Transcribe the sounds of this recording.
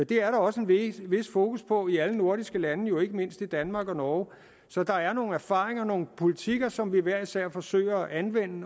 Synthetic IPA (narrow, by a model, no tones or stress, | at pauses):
jd̥e̝æɐɾɑ̈ɒ̽səe̝nʋe̝sfo̝ːkʰuspʰɒ̽iæləno̝ɐɾ̥isɡ̥əlænəjo̝e̝ɡ̥əme̝n̰sd̥id̥ænmɑ̈ːɡ̥ɒ̽nɒː | sɒ̽d̥ɑ̈æɐno̝ːn̩æɐfɑ̰̈ːʁeŋɐno̝ːn̩pʰo̝lit͡sʰiɡ̥ɐsɒ̽mʋiʋæɐ̰̥isæɐ̰fɒ̽sø̰ɪ̰ɐʔænʋen̰ə